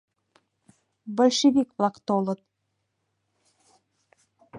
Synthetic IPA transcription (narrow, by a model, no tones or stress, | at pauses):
bə̆lʲʃeβikblˠɑkt̪olɤ̆t̪̚